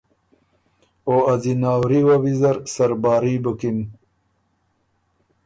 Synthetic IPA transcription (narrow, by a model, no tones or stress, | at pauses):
oazinaːwɾiwɐwizɐɾsɐɾbaːɾibukin